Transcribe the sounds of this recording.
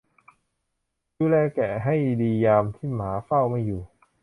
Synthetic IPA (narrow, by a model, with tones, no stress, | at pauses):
duː˧˩lɛː˧˩kɛː˨˩ɦa˥˩jdiː˧jaː˧mt̪ʰiː˥˩maː˩˦fa˥˩wma˥˩jːuː˨˩